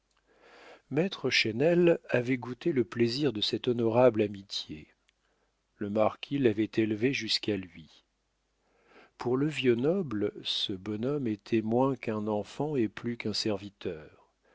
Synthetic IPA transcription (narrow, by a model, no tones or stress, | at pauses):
mɛt̪χəʃɛnɛlavɛɡut̪eləpleziʁd̪əsɛt̪ɔnɔʁablamit̪je | ləmaʁkʲʰilavɛt̪elveʒyskalɥi | pʰuʁləvjənɔblsəbɔnɔmet̪ʰɛmwɛ̃kɛ̃nɑ̃fɑ̃eplykɛ̃sɛʁvit̪ʰœːʁ